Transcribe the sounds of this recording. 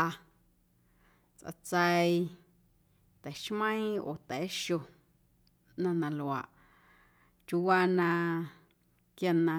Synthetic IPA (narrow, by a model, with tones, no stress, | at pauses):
a˧ | t͡sʔa̰˧t͡sə˧i˧ | t̪ɛ˨˦ʃmə̃˦ĩ˦o̰ː˨t̪ɛ˨˦ʃo˧ | nã˧nã˧lo˨a̰˨ʔ | t͡ʃu˧wa˧nã˧ | kja˧nã˧